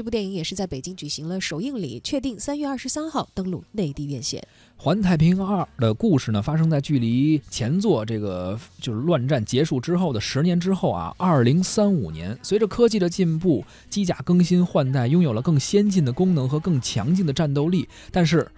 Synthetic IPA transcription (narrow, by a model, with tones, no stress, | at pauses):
pu˥˧jɛ˥˩i˧˥ŋjɛ˨˩ʂɻ̩˥˧t͡sa˥˩ɪpe˨˩ɪt͡ɕi˥ŋt͡ɕy˨˩ɕi˧˥ŋlə˧ʂo˨˩ʊi˥˧ŋlḭ˨˩˦t͡ɕʰɥɛ˥˧t̪i˥˩ŋsa˥nɥɛ˥˧ɐ˥˩ʂɻ̩˧˥sa˥nxɑ˥˩ʊt̪ɤ˥ŋlṵ˥˧ne˥˧ɪ˧t̪i˥˧ɥjɛ˥˧nɕjɛ̰˥˩n | xwa˧˥nt̪ʰa˧˩ɪpʰi˧˥ŋa˥˩d̪ə˩ku˥˧ʂɻ̩˥˩nə˩fa˥ʂ̬ɤ˥ŋt͡sa˥˧ɪt͡ɕy˥˩li˧˥t͡ɕʰjɛ˧˥nt͡swɔ˥˧ʈ͡ʂɤ˥˩ɡə˩t͡ɕjo˥˧ʊʂ̩˥˧lwa˥˧nʈ͡ʂa˥˩nt͡ɕjɛ˧˥ʂu˥˩ʈ͡ʂɻ̩˥xo˥˩ʊd̪ə˩ʂɻ̩˧˥njɛ˧˥nʈ͡ʂɻ̩˥xo˥˩ʊɐ̰˩ɐ˞˥˩li˧˥ŋsa˥nu˨˩njɛ̰˧˥nswe˧˥ɪʈ͡ʂə˥˧kʰɤ˥t͡ɕi˥˩d̪ə˩t͡ɕi˥˧npu˥˩ | t͡ɕi˥t͡ɕja̰˨˩kɤ˥ŋɕi˥nxwa˥˧nt̪a˥˩ɪjʊ˥ŋjo˨˩ʊlə˦kɤ˥˩ŋɕjɛ˥nt͡ɕi˥˩nd̪ə˩kʊ˥ŋnɤ˧˥ŋxɤ˧˥kɤ˥˩ŋt͡ɕʰjɑ̰˧˥ŋt͡ɕi˥˩ŋd̪ə˩ʈ͡ʂa˥˩nt̪o˥ʊli˥˩ | t̪a˥˧nʂɻ̩˥˩